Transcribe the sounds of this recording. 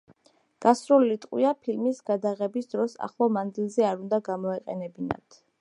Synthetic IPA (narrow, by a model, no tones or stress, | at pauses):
ɡ̥asɾulilit̪ʼqʼwiapʰilmisɡ̥ad̪aʁɛbisd̪ɾɔsa̰χlˠamand̪zilˠzɛaɾund̪aɡamɔɛqʼɛnɛbina̰t̪ʰ